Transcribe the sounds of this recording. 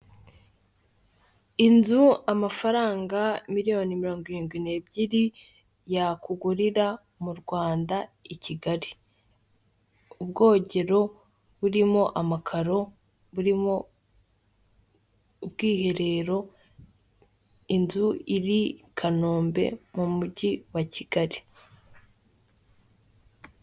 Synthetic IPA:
inzuamafaɾaːŋɡamiɾijo̞nimiɾo̞ːŋɡoiɾiːŋɡwine̞ːbɟiɾi | jakuɡuɾiɾa | muɾɡwaːndaiciɡaɾi | ubɡo̞ːɟe̞ɾo̞ | βuɾimo̞ʔamakʰaɾo̞ | βuɾimo̞ | bɡiːhe̞ɾe̞ɾo̞ | inzuiɾikʰano̞ːmbe̞̰mumuɟiwacʰiɡaɾi

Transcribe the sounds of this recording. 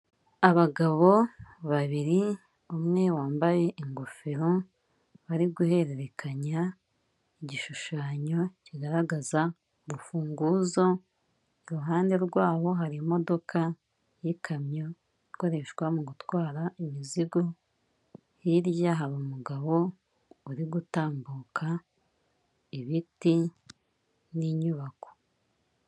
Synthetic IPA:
aβaɡaβo̞βaβiɾi | umŋe̞waːmbaje̞ʔiŋɡofeɾo | βaɾiɡuhe̞ɾe̞ɾe̞kʰaɲa | iɟiʃuʃaːɲo̞ciɡaɾaɡaza | uβufuːŋɡuːzo̞ | iɾuɦaːnde̞ɾɡwaːβo̞ɦaɾimo̞do̞kʰa | jikʰamɲo̞ | iko̞ɾe̞ʃɡwamuɡutwaːɾaʔimiziɡo | hiɾjaɦaɾumuɡaβo̞ | uɾiɡutaːmbuːkʰa | iβiti | niɲuβako̥

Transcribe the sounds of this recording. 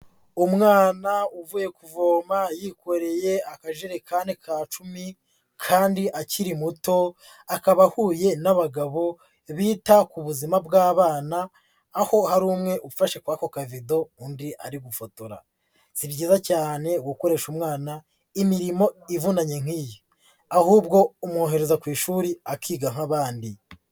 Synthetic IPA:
umŋaːnauvuje̞kuvoːmajikʰo̞ɾe̞je̞akaʒeɾekanekʰaːt͡ʃumi | kʰaːndiʔaciɾimuto̞ | akaβahuːje̞naβaɡaβo̞ | βiːtakuβuzimabɡaːβaːnaː | ho̞haɾuːmŋe̞ʔufaʃekwaːko̞kavido̞undiʔaɾiɡufotoɾa̰ | z̥ibɟiːzacaːne̞wuko̞ɾe̞ʃumŋaːna | imiɾimo̞ivunaɲe̞ŋ̥iːjo | ahuːbɡo̞umuhoːɦe̞ɾezakwiːʃuːɾiakʰiːɡaŋ̥aβaːndi

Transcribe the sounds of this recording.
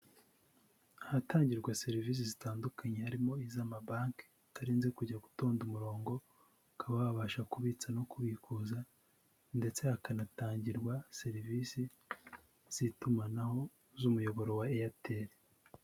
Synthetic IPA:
ahataːɲɟiɾɡwase̞ɾiviːs̬izitaːndukʰaɲe̞haɾimo̞izamabaːŋk | atʰaɾiːnzekuɟaɡuto̞ːndumuɾo̞ːŋɡo̞ | kʰaβaβaβaʃakuβit͡sano̞kuβikuza | nde̞t͡se̞hakanataːɲɟiɾɡwase̞ɾivisi | z̥itumanaho̞ | zumujo̞βo̞ɾo̞waejatʰe̞ɾe

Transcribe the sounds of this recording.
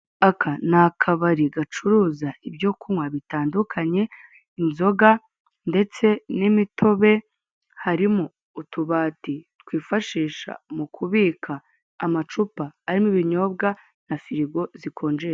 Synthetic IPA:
akʰanakʰaβaɾiɡat͡ʃuɾuːzaibjo̞kʰumwaβitaːndukʰaɲe̞ | inzo̞ɡa | nde̞t͡se̞nimitʰo̞βe̞ | haɾimoː | tuβaːtitkwiːfaʃiːʃa̰mukʰuβiːkʰaː | mat͡ʃupaːɾimiβiɲo̞ːbɡa | nafiɾiɡo̞zikʰo̞ːnd͡ʒea

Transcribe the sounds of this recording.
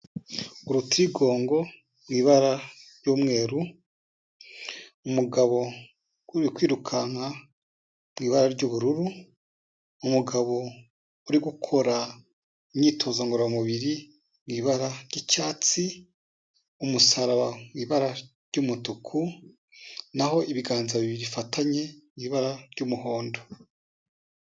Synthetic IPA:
uɾutuɾiɡo̞ːŋɡo̞ | bwiːβaɾaɾɟoːmŋe̞ːɾu | umuɡaβo̞ | uɾikwiːɾukʰana | b̥wiːβaɾaɾɟoːβuɾuɾu | umuɡaβo̞ | uɾiɡukʰo̞ɾa | iɲɲiːtʰo̞zaŋɡoɾamuβiɾi | mɡiːβaɾaɾɟicaːt͡si | umusaɾaβabwiːβaɾa | ɾɟumutukʰu | naho̞iβiɡaːnzaβiβiɾifatʰaɲe̞mɡiːβaɾaɾɟumuɦo̞ːndo

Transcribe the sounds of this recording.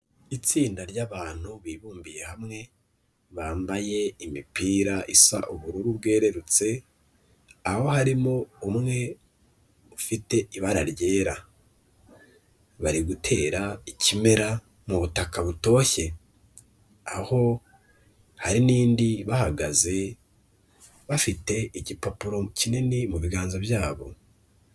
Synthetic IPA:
it͡siːndaɾɟaβaːn̥huβiːβuːmbije̞hamŋe̞ | βaːmbaje̞imipiːɾaʔisa̰ʔuβuɾuɾuβɡe̞ːɾe̞ɾut͡se̞ | aho̞haɾimo̞umŋe̞ | ufite̞ʔiβaɾaɾɟe̞ːɾa | βaɾiɡutʰe̞ːɾaicime̞ɾa | muβutakaβuto̞ːçe̞ | aho̞ | haɾiniːndiβahaɡaze̞ | βafite̞iɟipopuɾo̞cinenemuβiɡaːnzobjaːβo̞̰

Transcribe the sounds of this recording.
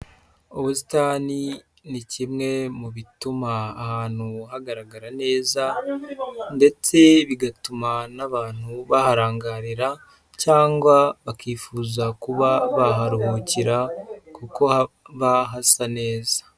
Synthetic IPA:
oβusi̥tani | nicimŋe̞muβitumaːhaːn̥huhaɡaɾaɡaɾane̞ːza | nde̞t͡se̞βiɡatumanaβaːn̥huβahaɾaːŋɡaɾiɾa | caːŋɡwaβakiːfuːzakuβaβaɦaɾuhuciɾakuko̞aβaɦasane̞ːzḁ

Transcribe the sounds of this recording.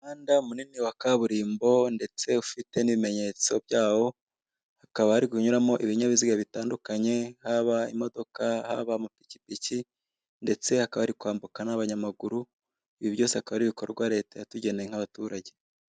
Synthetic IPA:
aːndamuniniwakaβuɾiːmbo̞nde̞t͡se̞ufite̞niβime̞ɲe̞t͡so̞b̚jaːwo̞ | hakaβahaɾiɡuɲuɾamo̞ʔiβiɲaβiziɡaβitaːndukaɲe̞haβaimo̞do̞kahaβamupicipici | nde̞t͡se̞hakaβahaɾikwaːmbukanaβaɲamaɡuɾu | iβibjo̞ːse̞hakaβaɾiβikoɾ̰ɾɡwaɾe̞ːtajatuɟe̞nejeŋ̥haβatuːɾaɟe̞

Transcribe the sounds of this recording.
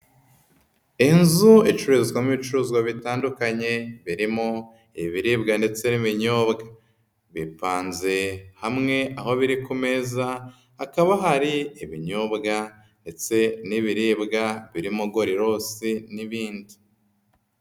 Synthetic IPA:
enzuet͡ʃuɾuzzɡwamiβit͡ʃuɾuzɡwaβitaːndukaɲe̞βiɾimo | iiβiɾibɡande̞t͡se̞niβiɲoːbɡa | βipaːnze̞hamŋe̞aho̞βiɾikume̞zaː | kaβaɦaɾiiβiɲobɡa | nde̞t͡se̞niβiɾibɡaβiɾimuɡo̞ɾiɾo̞ːsiniβiːndi̥

